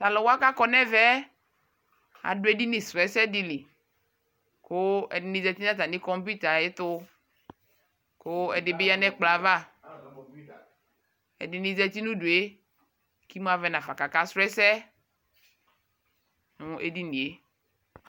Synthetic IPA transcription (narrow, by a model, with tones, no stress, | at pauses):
ta˨lɔ˨wo˦a˦ka˦kɔ˨nɛ̃˦vɛ˦ | a̰˨dʊ˦e˦di˦ni˨sʊ˨ɛ˨˦sɛ˦di˦li˨ | kʊ˦ɛ̰˨dɪ˨˦nĩ˦zɛ˨t̪i˦nã˦t̪a˨nĩ˦kɔ˦mp̬u˦t̪a˨je˦t̪ʊ˦ | ko˦ɛ˨dɪ˨be˦ja˦nɛ̃˦k͡pla˨va˦˨ | ɛ̰˨dɪ˨nĩ˦zɛ˦t̪i˦nũ˦du˨e˦ | ki˦m˦a˨vɛ˨nã˨fa˨ka˨ka˦sɾɛ˦sɛ˦ | nʊ̃˦ḛ˦di˦nĩ˨e˦